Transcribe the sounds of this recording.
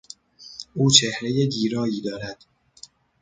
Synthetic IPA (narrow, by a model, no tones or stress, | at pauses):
ʔuːt͡ʃʰehɾeje̞ɟiːɾɒːjiːd̪ɒːɾæd̪̥